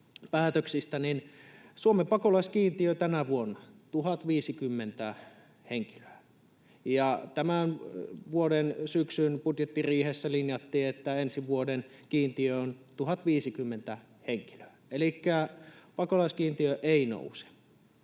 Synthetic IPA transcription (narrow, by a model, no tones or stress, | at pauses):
pæːt̪øksist̪æninsuomempɑkolɑskiːnt̪iøt̪ænæʋuonːɑt̪uhɑt̪ʋiːsikymːent̪æ | heŋki̥løæ | jɑt̪æmænʋuodensyksynpud̪jet̪ːiriːhesːælinjɑt̪ːiːet̪ːæensiʋuodenkiːnt̪iøont̪uhɑt̪ʋiːsikymːent̪æ | heŋki̥lø̥æelikːæpɑkolɑskiːnt̪iøʔeˑino̰use̥